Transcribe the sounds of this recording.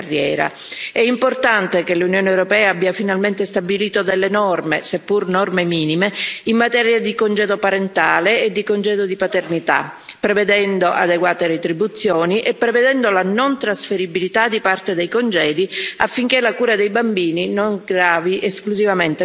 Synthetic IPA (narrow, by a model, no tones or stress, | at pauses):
rːjɛ̰ːɾa̰ | ɛimport̪ant̪ekelunjoːneːwɾopɛːaabːiafinalment̪est̪abiliːt̪od̪elːenɔrmesepːurnɔrmemiːnimeimːat̪ɛːɾjad̪ikond͡ʒɛːd̪opaɾent̪aːleːd̪ːikond͡ʒɛːd̪od̪ipat̪ernit̪a̰pːɾeved̪ɛnd̪oʔa̰d̪eɡwaːt̪eɾet̪ɾibut̪sːjoːniʔepːɾeved̪ɛnd̪olanont̪ɾasfeɾibilit̪ad̪ipart̪ed̪ejkond͡ʒɛːd̪iafːiŋk̟elakuːɾad̪ejbambiːninoŋɡɾaːviʔeskluzivament̪e